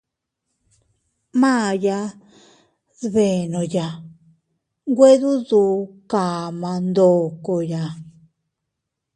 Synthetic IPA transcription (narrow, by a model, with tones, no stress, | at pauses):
mã˦˨ja˧ | ðβe˨nõ˨ja˨ | ŋɡwe˦ðu˦ðu˧˦ka˨mã˧nd̪o˨ko˧ja˨